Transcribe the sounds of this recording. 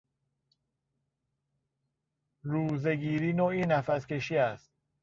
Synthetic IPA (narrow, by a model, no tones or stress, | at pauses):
ɾuːzeɡiːɾiːnoːiːnæfæske̞ʃiːæst̪̚